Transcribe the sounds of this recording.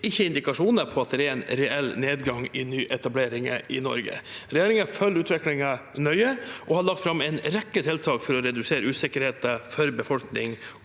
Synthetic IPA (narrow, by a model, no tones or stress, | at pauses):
ɪçːəɪnd̪ɪkɑʂuːnəɾpʰɔɑt̪̚d̪ɛɾɛɾɛnɾɛɛlːneːd̪ɡɑŋɪnyːʔɛt̪ɑbleːɾɪŋəʔɪnɔ̰ɾɡə̰ɾɛjeːɾɪŋəfœlːʉːt̪ʋɛklɪŋənœʏəʔɔhɑɭɑkt̪fɾɑmːɛnɾɛkːət̪ʰeːlt̪ʰɑːkfɔɾɔɾɛd̪ʉseːɾəʉːsɪkəɾheːt̪əfœɾbəfɔlknɪŋ